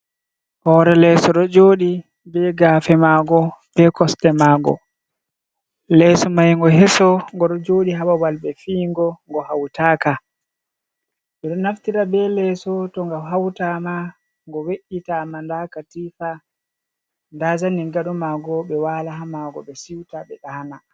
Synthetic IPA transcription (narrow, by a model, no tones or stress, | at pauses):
hɔːɾɛlɛsɔɗɔd͡ʒoːɗi | bɛɡaːfɛmaːɡɔb̥ɛkɔstɛmaːɡɔ̰ | lɛsɔmajŋɡɔɦɛsɔŋɡɔɗɔd͡ʒoːɗiɦawawalɓɛfiːŋɡɔŋɡɔhawtaːka | ɓɛɗɔnaftiɾabɛlɛsɔtɔŋɡawɦawtama | ŋɡɔweʔitamandakatiːfa | ndad͡ʒaniɡaɗɔmaɡɔɓɛwaːlaɦamaɡɔɓɛsiwtaɓɛɗaːna